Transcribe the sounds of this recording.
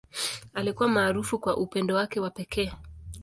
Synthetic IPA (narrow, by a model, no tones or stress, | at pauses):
alikuwamaːɾufukwaʔupɛndɔwakɛwapɛkʰɛː